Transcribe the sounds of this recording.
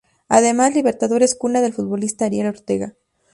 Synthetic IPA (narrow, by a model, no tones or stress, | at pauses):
aðe̞mazliβe̞ɾt̪aðo̞ɾeskunaðe̞lfut̪̚βo̞list̪aːɾjelo̞ɾt̪e̞ɣa